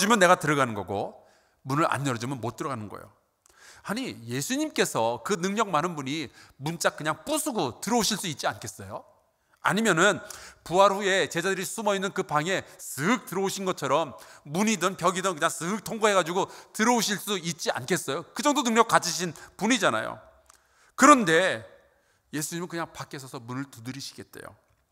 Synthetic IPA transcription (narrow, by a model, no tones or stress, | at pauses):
d͡ʑimjʌnːe̞ɣatɯɾʌɡanɯnɡʌ̰ɡo̰ | munɯɭʔa̰nːʌd͡ʑimɯnmot͈̚ɯɾʌɡanɯnɡʌ̰jo̰ | aɲije̞sʰuɲimk͈e̞sʰʌkɯnɯŋɲʌk̚manɯnbuɲimunt͡ɕ͈ak̚k͈ɯɲaŋp͈usʰuɡotɯɾʌoɕʰiɭs͈uit̚t͡ɕ͈iankʰe̞s͈ʌjo | a̰ɲimjʌnɯnpuɦaɾɸue̞t͡ɕe̞d͡ʑadɯɾisʰumʌinːɯnkɯpaŋe̞sɯk̚tɯɾʌoɕʰinɡʌt͡ɕʰʌɾʌmːuɲidɯnpjʌɡidɯnkɯɲaŋsʰɯk̚tʰoŋɡoɦeɡad͡ʑiɡotɯɾʌuɕʰiɭs͈uit̚t͡ɕ͈ia̰nkʰe̞s͈ʌjokɯd͡ʑʌŋdonɯŋɲʌk͈at͡ɕʰiɕʰinpunid͡ʑana̰jo̰ | kɯɾʌnde̞ | je̞sʰuɲimɯɭkɯɲaŋpak͈ʰesʰʌsʰʌmunɯɭtudɯɾiɕʰi̥ɡe̞t̚t͈ḛjo̰